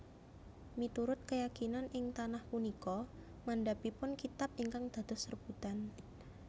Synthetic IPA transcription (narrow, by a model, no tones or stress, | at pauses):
mit̪uɾʊt̪̚kəjakinanʔɪŋt̪anahpunikɔ | mandapipʊnkit̪ap̚iŋkaŋd̪̥a̤d̪̥ʊsərb̥ut̪an